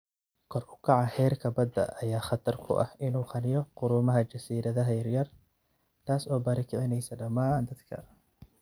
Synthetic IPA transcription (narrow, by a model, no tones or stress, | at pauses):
kʰɔrʊ̥kʰɑʕɑhɛːrkʰɐbɐd̪ɐ̰ʔɐjaːχɑt̪ʰɐrkʰʊ̰ʔɐ̰hɪnuːqɑnɪjɔqʊɾʊmɐɦɐt͡ʃɐsiːɾɐðɐɦɐjɐrjɐr | t̪ʰaːsɔːbaːɾɪkʰɛʕɪnɛjsɐɖɐmaːnd̪ɐd̪kʰɐ̰